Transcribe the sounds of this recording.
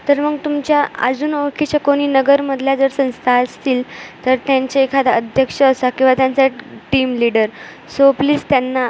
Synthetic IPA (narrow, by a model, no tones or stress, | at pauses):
t̪əɾməɡt̪umt͡ɕjaa̰d͡zuːnoɾkʰit͡ɕjakoɽ̃iːnəɡəɾməd̪ʱljad͡zəɾsə̃w̃st̪ʰast̪iːlt̪əɾt̪jaɲt͡ɕaekʰad̪aəd̪ʱjəkʂəːsakĩw̃ʋat̪jant͡saʈiːmliɽəɾ | sopliːst̪janːa